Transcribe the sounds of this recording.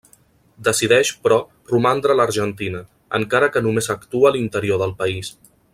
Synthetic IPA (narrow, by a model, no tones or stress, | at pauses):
d̪əsiðɛʃpɾɔ | rumand̪ɾələɾʒənt̪inə | ə̰ŋkaɾəkənumezəkt̪uəːlint̪əɾioðəlˠpəis